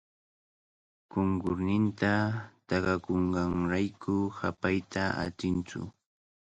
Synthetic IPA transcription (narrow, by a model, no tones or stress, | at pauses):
koŋkʊɾnɪnt̪at̪ɑɢɑkoɴɢɑŋɾajkʰʊhapajt̪ʰaa̰t͡ʃɪnt͡sʊ̰